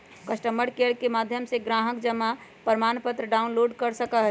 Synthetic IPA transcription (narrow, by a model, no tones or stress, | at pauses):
kəsʈəməɾkeɾkemaːd̪ʱjəmseɡɾaːɦəkd͡ʒəmapəɾmaːnpət̪ɾəɖaːunloːɖkəɾsəkaɦɛ